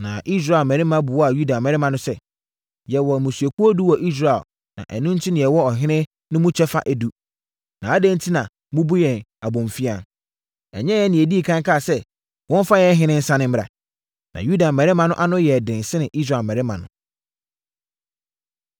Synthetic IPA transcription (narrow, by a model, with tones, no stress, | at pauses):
nã˨ʔi˦s̬ɾa˦˨lmɛ̃˨ɾɪ˦mã˦bʊ˨wɔ˦a˨ju˦da˨mɛ˨ɾɪ˦mã˨nʊ̃˦sɛ˦ | jɛ˨wɔ˨mũ˨su˨o˨ku˦o˦du˦wɔ˨ʔi˦s̬ɾa˨ɛ˨l | nã̰˨ʔæ˨nũ˦n̩˦tʰɪ˦nɪ̃˨jɛ˨wɔ˦ɔ˨ɦɪ̃˦nɪ̃˦ | nʊ̃˦mʊ̃˦t͡ɕʰɛ˦fa̰˦ʔæ˨du˦ | nã˨a˦dæ̃˦n˦tʰi˦nã˨ | mʊ̃˦bu˦jɛ̃˨na˨bɔ̃˨m˨fi˦ã˨n | ɛ̰˨ɲɛ̃˦jɛ˦nɪ̃˨e˨di˦i˨kʰã˦ŋkʰa˦˨sɛ˦ | wɔ̃˦n˦fa˦jɛ˦ɦɪ̃˦nɪ̃˦n̩˦sã˦nɪ̃˦m̩˦˨ɾa̰˨ | nã̰˨ju˦da˨mɛ˨ɾɪ˦mã˦nʊ̃˦ʔa˦nʊ̃˦jɛ˨dɪ̃˨n˨sɪ˦nɪ̃˨ʔi˦sɾa˨lmɛ˨ɾɪ˦mã˨nʊ̰̃˨